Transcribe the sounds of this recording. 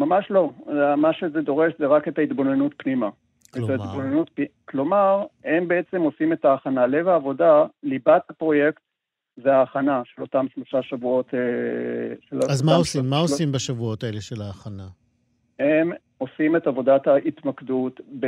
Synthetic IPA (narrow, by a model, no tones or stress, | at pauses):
mamaʃlo̞amaʃezedo̞ʁe̞ʃzeʁake̞taitbo̞nenutpnima | etaitbonenut̚pklo̞maʁhe̞mbe̞et͡se̞mo̞sime̞taːχanale̞vaːvo̞dalibathapʁo̞je̞kt | zeaːχanaʃelo̞tamʃlo̞ʃaʃavuo̞te | ʃelaazmaosimːaoimbaʃavuo̞taeleʃelaːχana | hem | o̞sime̞tavo̞dataʔit̪makdutb